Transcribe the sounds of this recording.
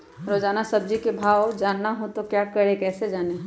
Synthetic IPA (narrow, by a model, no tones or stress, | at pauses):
ɾoːd͡ʒaːnasɐb̚d͡ʒikebʱaːwd͡ʒaːnːaɦõt̪okjaːkɐɽekɛːsed͡ʒaːneɦ